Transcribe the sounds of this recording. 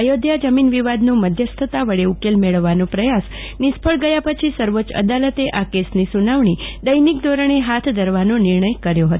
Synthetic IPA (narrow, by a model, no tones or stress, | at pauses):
əjod̪ʱjad͡ʒəminʋiʋad̪nũməd̪ʱjəst̪ʰət̪aʋəɭeukelmeɭəʋːanõpɾəjas | nɪspʰəɭɡəjapət͡ʃʰisəɾʋot͡ʃə̰d̪alət̪eʔakesnisunaʋɳ̃id̪əjnik̚d̪oɾəɳ̃eɦat̪ʰd̪ʱəɾʋanonɪɾɳəjkəɾjoɦət̪o